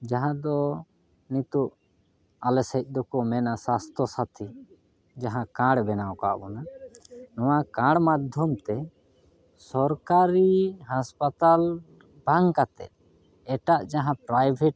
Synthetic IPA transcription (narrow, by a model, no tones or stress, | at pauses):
d͡ʒaɦãd̪ɔ | nit̪uʔ | alɛsɛc̚ˀd̪ɔkɔmɛnasast̪ʰɔsat̪ʰi | d͡ʒaɦãkãɽbɛnawka̰bɔnanɔwakãɽmad̪ʱjɔmt̪ɛ | sɔɾkaɾiɦaspat̪al | bʱaŋkat̪ɛ̰t̪̚ | ɛʈaʔd͡ʒaɦãpɾajbʱɛʈ̚